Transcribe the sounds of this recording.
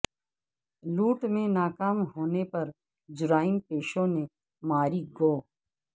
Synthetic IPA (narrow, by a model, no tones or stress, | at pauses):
luːʈmẽnaːkaːmɦoːnepɐɾ | d͡ʒʊɾaːɪnpeːʃõne | maːɾiɡoː